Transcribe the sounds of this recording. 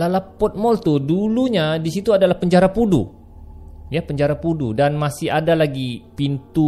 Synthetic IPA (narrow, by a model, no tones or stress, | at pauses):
lalapɔt̪̚mɔlt̪uduluɲadisit̪uadalahpəɲd͡ʒaɾapudu | japəɲd͡ʒaɾapududanmasɪhadalaɡipint̪u